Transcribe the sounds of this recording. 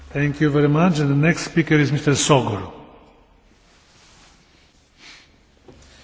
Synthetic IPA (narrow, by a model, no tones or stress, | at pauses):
θɛ̃ŋkʰjuvɛɾimat͡ʃɛ̃nd̪ənɛkst̪spikəɾizmist̪əɾsɔɡɔɾ